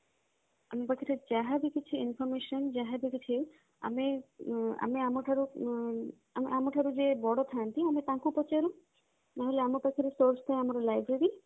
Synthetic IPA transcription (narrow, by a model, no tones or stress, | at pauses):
amipakʰiɾed͡ʒaɦad̪ekit͡ɕʰiinfɔɾmeʃɔnd͡ʒaɦad̪ekit͡ɕʰi | a̰me | a̰miamoʈʰaɾu | amiʔamoʈʰaɾud͡ʒebɔɽot̪ʰant̪iamit̪ãkupɔt͡ʃaɾu | naɦoleamepakʰiɾesoɾst̪ʰajamaɾlajbɾeɾi